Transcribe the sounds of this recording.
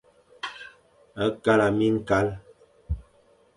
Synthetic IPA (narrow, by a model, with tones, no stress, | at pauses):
ə˦ka˦la˨mi˦ŋ̩˦ka˦l